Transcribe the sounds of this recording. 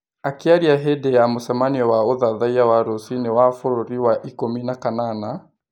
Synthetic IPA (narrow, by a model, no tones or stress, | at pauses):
akiaɾiaɦɛdɛjamosamaniɔwaoðaðaiawaɾosinewafoɾoɾiwaʔikominakanana